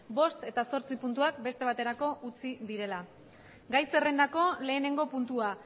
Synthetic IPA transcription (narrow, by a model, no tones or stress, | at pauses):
bo̞st̪e̞t̪aso̞ɾt͡sipunt̪̬uak̚be̞st̪e̞β̞at̪e̞ɾako̞ʔut͡siðiɾe̞la | ɡajse̞re̞nd̪ako̞le̞ːne̞ŋɡo̞punt̪ua